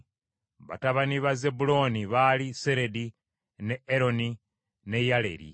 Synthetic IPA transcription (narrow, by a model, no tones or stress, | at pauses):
βa̰taβaniβaze̞bulo̞niβalise̞ɾe̞di | ne̞eɾo̞ni | nejale̞̰ɾḭ